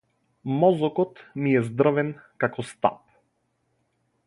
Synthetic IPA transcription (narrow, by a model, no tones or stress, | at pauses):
mɔzɔkɔt̪niɛzd̪r̩vɛnkakɔst̪a̰p̚